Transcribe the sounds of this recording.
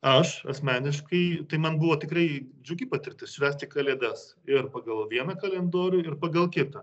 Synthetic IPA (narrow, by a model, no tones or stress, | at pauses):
ɐʃɐ̰sʲmʲæːnʲɪʃkɐɪt̪ɐɪmɐnbʊʋoːt̪ʲɪkrɐɪd͡ʒʲʊɡʲiːpɐt̪ʲɪrʲt̪ʲɪssʲʊʋʲæːsʲt̪ʲɪkɐlʲeːd̪ʲɛs | ɪrpɐɡɐlˠʋʲiɛnɐkɐlʲɛnd̪oːɾʲʊɪrpɐɡɐlˠkʲɪt̪ɐ